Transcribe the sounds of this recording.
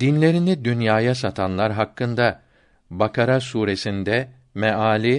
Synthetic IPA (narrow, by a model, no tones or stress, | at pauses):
d̪inlʲe̞ɾinid̪ynjaːjasat̪ʰanlˠaɾɦakːɯnd̪a | bakʰaɾasuːɾe̞sind̪ɛ | mɛaːlʲi